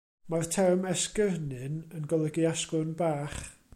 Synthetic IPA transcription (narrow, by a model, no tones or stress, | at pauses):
martʰɛrmɛskərnɨnənɡɔlˠəɡiaskʊnbaːχ